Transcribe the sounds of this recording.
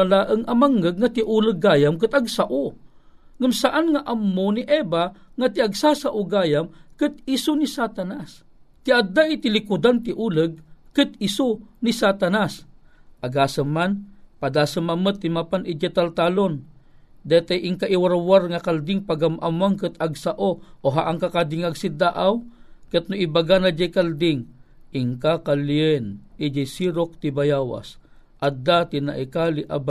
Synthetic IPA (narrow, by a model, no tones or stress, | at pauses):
alaʔəŋʔɐmaŋːɨɡ̚ŋat̪iʔulɨɡːaːjamkɨt̪aɡsaʔo | ŋɨmsaʔanŋaʔamːoniʔɛbaŋat̪iaɡsasaʔʊɡaːjamkɨt̪̚isunisat̪anas | t̪iʔad̪ːaʔit̪ɪlikʊd̪ant̪iʔuːlɨɡ̚kɨt̪̚isunisat̪anas | ʔaɡaːsəmːanpad̪aːsɨmamət̪ːimapanid͡ʒat̪alt̪alon | d̪at̪ajʔiŋkaʔiwaɾwaɾŋakald̪ɪŋpaɡamʔamaŋkɨt̪aɡsaʔoʔoɦaʔaŋkakad̪ɪŋaɡsid̪aʔawkɨt̪̚noʔibaɡanad͡ʒajkald̪ɪŋ | ʔɪŋkakaljɛnʔid͡ʒajsiɾok̚t̪ibajaːwa̰s | ʔad̪at̪inaʔikaliʔaba